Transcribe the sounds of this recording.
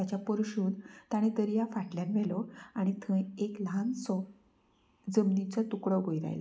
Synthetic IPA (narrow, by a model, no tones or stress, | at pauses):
at͡ɕjapəɾuɕuːnt̪aɽ̃ĩd̪əɾjafaʈljanʋɛlɔaɽ̃it̪ʰə̃eklansɔ | d͡zəmnit͡sət̪ukɽəɡʱojiɾa̰jl